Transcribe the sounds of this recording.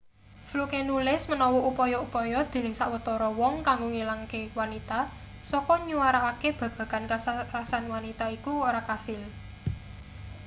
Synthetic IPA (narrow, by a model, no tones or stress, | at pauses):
flukenulɪsmənɔwuupɔjɔupɔjɔd̪̥i̤nɪŋsaʔwət̪ɔɾɔwɔŋkaŋɡoŋilaŋkewanit̪a | sɔkɔɲuwaɾaːkeb̥ä̤b̥ä̤ka̤nkaarasanwanit̪aikuoɾakasɪl